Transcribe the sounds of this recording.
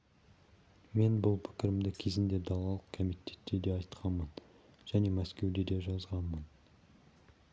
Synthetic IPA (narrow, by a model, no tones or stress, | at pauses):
me̞nbʊlˠpʰɪ̥kʲɪɾɪmd̪ɪkʲʰe̞zɪnd̪e̞d̪ɑlˠɑlˠəqkʰomijt̪ʲʰe̞t̪ːe̞d̪e̞ɑjt̪qʰɑnmən | ʒ̥æne̞mæskʲe̞wd̪e̞d̪e̞ʒɑzʁɑnmən